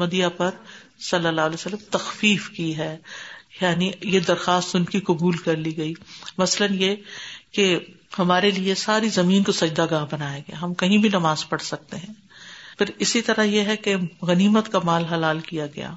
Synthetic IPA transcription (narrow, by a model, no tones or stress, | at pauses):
mɐd̪ijapɐɾ | sɐlːəlːaːɦleːsɐlːəmt̪ɐxfiːfkiɦɛːjaːnijed̪ɐɾxaːst̪ʊnkikʊbuːlkɐɾliɡɐiːmɐslənjeke | hɐmaːɾeliesaːɾizɐmiːnkosɐd͡ʒd̪aɡaːɦbɐnaːjaɡɐja̰ɦɐmkɐɦĩbʱinɐmaːzpɐɽsɐk̚t̪eɦɛ̃ː | pʰɪɾɪsit̪ɐɾajeɦɛkeɣɐniːmət̪kamaːlɦɐlaːlkijaɡɐ̰ja̰ː